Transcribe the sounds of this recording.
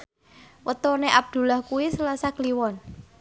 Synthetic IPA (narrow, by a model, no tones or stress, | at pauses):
wʔət̪oneʔab̚d̪̥ṳlahkuwisəlasakliwɔn